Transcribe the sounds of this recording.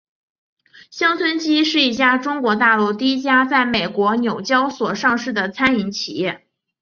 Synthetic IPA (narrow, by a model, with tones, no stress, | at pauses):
ɕjɑ˥ŋt͡sʰwə˥nt͡ɕi˥ʂɻ̩˥˧i˥˩t͡ɕja˥ʈ͡ʂʊ˥ŋkwɔ˧˥t̪a˥˧lu˥˩t̪i˥˧˩i˥t͡ɕja˥t͡sa˥˩ɪme˨˩ɪkwɔ˧˥njo˨˩ʊt͡ɕjɑ˥ʊswɔ˨˩ʂɑ˥˧ŋʂɻ̩˥˩d̪ə˩t͡sʰa˥ni˧˥nt͡ɕʰḭ˨˩jɛ˥˩